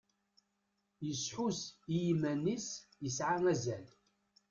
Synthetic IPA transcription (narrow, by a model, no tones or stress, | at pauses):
jəsħusijimænisjəsʕaŋæzæl